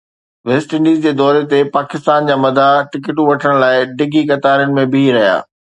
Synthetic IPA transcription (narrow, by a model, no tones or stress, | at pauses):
ʋeːsʈɪ̃ɳɖiːzd͡ʑeːd̪ɔːɾet̪epaːkɪst̪aːnd͡ʑaːmɐd̪ʱaʈɪkɪʈũʋɐʈʰəɽ̃laːɪɖɪɡʱikɐt̪aːɾjənɪ̆mẽbiɾɐɦija̰ː